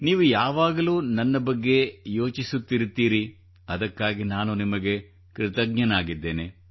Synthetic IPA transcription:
niːʋujaːʋaːɡɐluːnɐnːɐbɐɡːe̞jo̞ːt͡ʃisut̪ːiɾut̪ːiːɾi | ɐd̪ɐkːaːɡinaːnunimɐɡe̞ | kɾɪt̪ɐɡ̚ɲɐnaːɡid̪ːe̞ːne

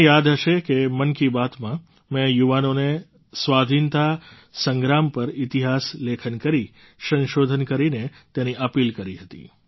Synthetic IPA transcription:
jad̪ɦəʃekemənkiʋat̪mã | mɛ̃juʋanone | sʋad̪ʱint̪a | səŋɡɾampəɾit̪iɦaslekʰənkəɾi | sə̃nʃod̪ʱənkəɾinet̪ẽniʔəpilkəɾiɦət̪ḭ

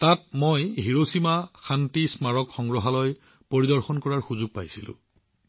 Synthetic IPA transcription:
tat̚mojɦiɹosimaxantismaɹɔkxɔŋɡɹɔɦalɔj | poɹidɔɹxɔnkɔɹaɹxuzuɡ̚pajsilʊ̰̃

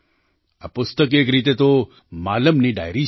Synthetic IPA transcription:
apʊst̪əkekɾit̪et̪o | maləmniɖa̰jɾi

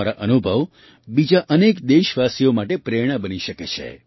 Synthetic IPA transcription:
aɾaʔənubʱəʋ | bid͡ʒaʔənekd̪eʃʋasijomaʈepɾeɽ̃əbəniʃəket͡ʃʰḛ

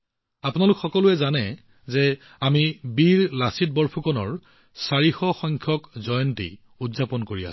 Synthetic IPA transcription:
apʊnalʊkxɔkɔlʊɛzanɛ | zɛ | amibiɹlasit̚bɔɹpʰukɔnɔɹ | saɹixɔxɔŋkʰjɔkzɔjɔntḭ | udzapɔnkoɹia̰

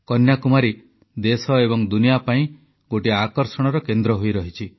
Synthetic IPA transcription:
kɔnjakumaɾi | d̪esɔebɔŋd̪unijapaĩ | ɡoʈiakɔɾsɔɽ̃ɔɾɔkend̪ɾɔɦojɾɔɦit͡ʃʰi

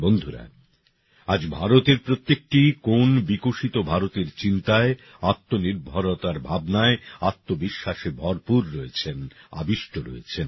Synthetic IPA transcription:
bond̪ʱuɾa̰ | ad͡ʑbʱaɾot̪eɾpɾot̪ːek̚ʈikonbikoʃit̪obʱaɾot̪eɾt͡ɕint̪ae | at̪ːoniɾbʱaɾot̪aɾbʱabnaeat̪ːobiʃːaʃebʱɔɾpuɾɾoet͡ɕʰena̰biʃʈʰoɾo̰et͡ɕʰen

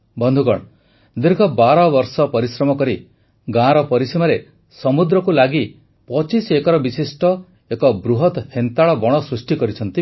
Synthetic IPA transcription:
bɔnd̪ʱukɔɽ̃ | d̪iɾɡʱɔbaɾɔbɔɾsɔpɔɾisɾɔmɔkɔɾi | ɡãɾɔpɔɾisimaɾe | sɔmud̪ɾɔkulaɡi | pɔt͡ʃisekɔɾɔbisisʈɔ | ekɔbɾuɦɔt̪hent̪aɭɔbɔɽ̃ɔsɾusʈikɔɾit͡ʃʰɔnt̪i

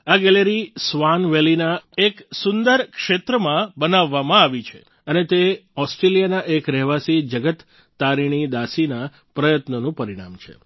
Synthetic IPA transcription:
aɡɛleɾisʋanʋelinaeksʊnd̪əɾkʃet̪ɾəmãbənaʋːamãaʋit͡ʃʰe̥̰ | ənet̪eɔsʈɾelijanaʔekɾɛɦʋasid͡ʒəɡət̪ː | aɾiɽ̃id̪asina | pɾəjət̪nənũpəɾiɽ̃a̰mt͡ʃʰḛ

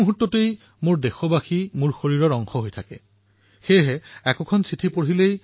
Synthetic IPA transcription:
muɦutːɔtej | mʊɹdexɔbaximuɹxoɹiɹɔɹɔŋxɔɦojtʰakɛ̰ | xejɦɛɛkɔkʰɔnsʰitʰipoɹilej

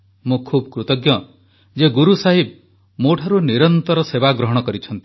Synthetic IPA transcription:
mũkʰubkɾut̪ɔɡjɔ | d͡ʒeɡuɾusaɦib̚ | moʈʰaɾuniɾɔnt̪ɔɾɔsebaɡɾɔɦɔɽ̃ɔkɔɾit͡ʃʰɔnt̪i̥

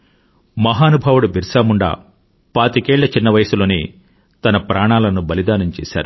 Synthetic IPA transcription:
mɐɦaːnubʱɐʋuɽubʱiɾsaːmuɳɖa̰ː | paːt̪ikeːɭːɐt͡ʃinːɐʋɐjɐsulo̞ːni | t̪ɐnɐpɾʔaːɳaːlɐnubɐlid̪aːnɐmt͡ʃɛ̰ːsa̰ːɾu

